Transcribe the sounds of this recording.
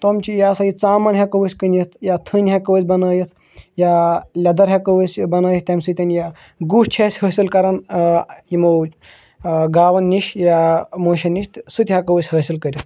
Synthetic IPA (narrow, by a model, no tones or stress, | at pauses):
t̪omt͡ʃijaːsɐit͡saːmɐnɦʲɐkɐʋəsʲkənʲit̪ʰjat̪ʰɨnʲɦʲɐkɐʋəsʲbɐnɐːjit̪ʰ | jaːlʲɐd̪ɐɾɦʲɐkɐʋəsʲbɐnaːjit̪ɐmsɨt̪ʲɐnʲja | ɡuːʂt͡ʃʰesʲhəːsilkɐɾɐnjimo | ɡaːʋɐnːiʃjamoːʃɐniʃt̪sut̪ʲɦʲɐkɐʋəsʲhəːsilkəɾʲit̪ʰ